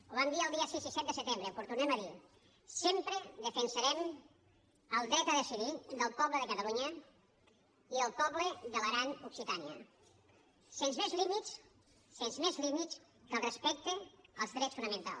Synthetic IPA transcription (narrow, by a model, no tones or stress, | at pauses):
oβand̪iəːlˠd̪iəsizisɛt̪d̪əsət̪embɾəpuɾt̪uneməði | sempɾəðəfənsəɾɛm | əlˠd̪ɾɛt̪əðəsiβid̪əlˠpɔβləðəkət̪aluɲə | iəlˠpɔβləðələɣɾanuksit̪aniə̰ | senzmezlimits | senzmezlimit̪s | kəlˠrəspɛk̚t̪eəlˠzðɾɛsfunəmə̃nt̪a̰l